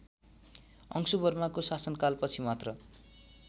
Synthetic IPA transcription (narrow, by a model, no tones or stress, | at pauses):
ʌ̰ŋsubʌrmakosasʌnkalpʌt͡sʰimat̪rʌ